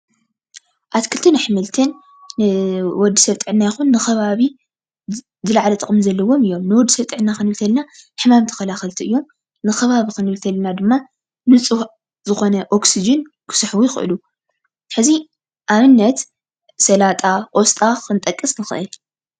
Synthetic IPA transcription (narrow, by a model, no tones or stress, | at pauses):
ʔat̪kʰɨlt̪ʰɨnaħɨmɨlt̪ʰɨnː | ɨwɔd̪ːisɐβt̪ʼɨʕɨnːajɪxunːɨxɐβaβi | zɨlaʕlɐt̪ʼɨχʼɨmzɐlːɐwo̞mɨjːo̞mnɨwɔd̪ːisɐβt̪ʼɨʕɨnːakɨnɨlt̪ʰɐlnaħɨmamt̪ʰɨ̥kɐlaxɐlt̪ʰiɨjːom | nɨxɐβaβikɨnɨlt̪ʰɐlnad̪ɨmːa | nɨt͡sʼu | zɨxo̞nɐʔoksid͡ʒɐn | kʰɨ̥sɨħwujɪxʔɨ̰lu | ħɨzi | ʔamɨnːɐt̪ | sɐlat̪ʼaʔost̪ʼaɨnt̪ʼɐkʼːɨsnɨxɨʔɨl